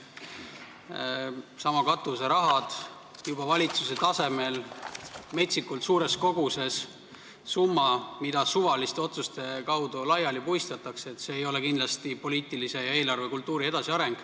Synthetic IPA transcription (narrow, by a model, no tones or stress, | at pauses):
sɑmɑkɑt̪ːˑuse̞ɾɑɦɑd̪̥ | jub̥ɑvɑlʲit̪sus̬e̞t̪ɑse̞me̞l | me̞t̪ʲsikːult̪suːɾe̞sko̞ɡ̥use̞s | sumːɑmid̪̥ɑsuvɑlist̪eo̞t̪sust̪e̞kɑwd̪̥ulɑjɑlipujst̪ɑt̪ːˑɑkseet̪ːse̞ːjo̞lekind̪lɑst̪ipo̞liːt̪ːˑilise̞jɑe̞ːlɑrve̞kult̪ˑːuːɾie̞d̪ɑsiɑɾe̞ŋɡ̥